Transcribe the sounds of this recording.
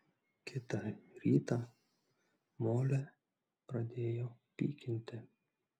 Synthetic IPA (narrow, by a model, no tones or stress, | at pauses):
kʰʲɪt̪ɐɾʲiːt̪ɐ | moːlʲɛ | pɾɐd̪ʲeːjopʲḭːkʲɪnʲt̪ʲɪ